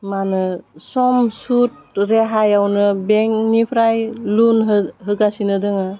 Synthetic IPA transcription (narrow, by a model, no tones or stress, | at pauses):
manɯsɔmsut̚ɾeɦajawnɯbeŋnipʰɾajlunɦɦɯɡasinɯdɯŋa